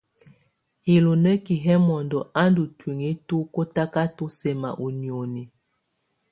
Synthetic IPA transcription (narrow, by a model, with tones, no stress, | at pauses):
hi˨lu˨nə˦ki˨ɦɛ˦mɔ˨ndɔ˨ʔa˦ndu˨twi˨ŋi˦tu˦ko˦ta˦ka˦tu˦sɛ˨ma̰˨ʔu˨ni˨o˨ni˨